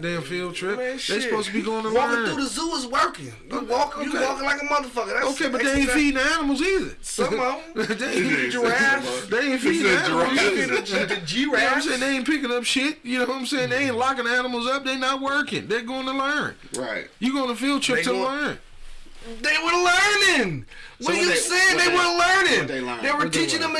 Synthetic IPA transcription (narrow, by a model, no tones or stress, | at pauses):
dẽnfilˠd̚tʰɹ̥ɪpðeɪsəpoʊzstbiɡoʊɪ̃ŋəwɜ˞kduɾɨzuɪzwɜ˞kɪ̰̃ŋjəwɔkɪ̃ɨwɔkɪ̃ŋlaɪkəmʌðəfʌkɨ̃æoʊkʰeɪbʌt̚ðeɪ̃nfiɾ̃nænəml̩ˠzɪzɪ̰ | sʌ̃o | ðeəæmðeɪ̃nfiɾɪ̃ænəml̩ˠzi | d͡ʒiɨnãɪ̃mseɪɪ̃ŋðeɪɪ̃npɪkɪ̃nʌpʃɪt̚jɨnoʊãɪ̃mseɪɪ̃ŋẽɪ̃nlɑkɨ̃nænəml̩ˠzʌp̚ðeɪnət̚wɜ˞kɪ̃ŋðəɡoʊɪ̃ŋtʰəlɜ̃˞n | ɹa̰ɪt̚jɨɡoʊɪ̃nʰɨfilˠt͡ʃʰɪtʰəlɜ̃˞n | ðeɪwə˞lɜ̃˞nɪ̃ŋ | wʌ̃njɨseɪɪ̃ŋðeɪwə˞lɜ̃˞nɪ̃ŋeðeɪwə˞tʰit͡ʃɪ̃ŋə̃m